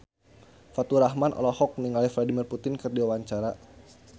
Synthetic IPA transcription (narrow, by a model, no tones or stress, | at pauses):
fat̪uɾaɦmanʔɔ̰lɔhɔk̚niŋalifladimirput̪ɪnkɨrdiawaɲt͡ʃaɾa